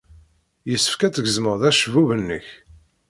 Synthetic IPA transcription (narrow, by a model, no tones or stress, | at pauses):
jəsːə̥fkæt͡sːəɡəzməʁðæʃəvuvənːə̰ç